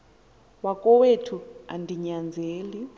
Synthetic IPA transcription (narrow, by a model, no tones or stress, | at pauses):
wakʼɔwetʰua̰ndʱiɲand͡zʱeːli